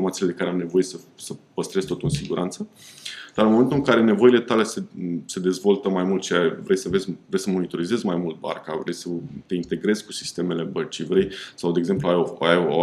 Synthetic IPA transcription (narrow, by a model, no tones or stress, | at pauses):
rmat̪sile̞d̪e̞kaɾeamne̞vo̞je̞səsəpəst̪ɾe̞zʲt̪o̞t̪uɨnsiɡuɾʔant̪səd̪̥aɾɨnmoe̞nt̪uɨŋkaɾe̞ne̞vo̞ile̞t̪ale̞sese̞d̪e̞zvo̞lt̪əmajmult̪t͡ʃejaevɾe̞jsəvezʲvɾe̞jsəmo̞nit̪o̞ɾize̞zʲmajmult̪̚ba̰rkavɾe̞jsət̪e̞int̪e̞ɡɾe̞zʲku̥si̥st̪e̞me̞le̞bət͡ʃijvɾe̞jsawd̪eeɡze̞mpluajoaj